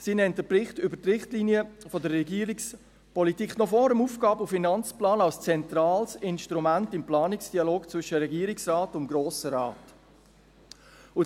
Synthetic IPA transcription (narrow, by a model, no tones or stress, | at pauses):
siːnɛnt̚dəbrɪχtʏbətrɪχtliːnjəfɔdəɾɛɡiːəɾiks | pɔlitikχnɔfɔːɾəmuːfɡ̥ɑːbʊfinɑnt͡splɑːnɑlst͡sɛnt̪ɾɑːlsɪnʃtɾumæntɪmplɑːnɪksd̥iɑloːkt͡sʋʏʃəɾɛɡiːəɾɪksrɑːtʊnmɡ̥ɾoːsəɾɑːt | ʊ